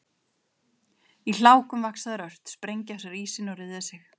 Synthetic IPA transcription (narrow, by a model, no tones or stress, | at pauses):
il̥aːwkʏmvaksaðɪɾœr̥t̪spɾejɲcɪasaɾiːsɪnɔwɾɪððɪsɪx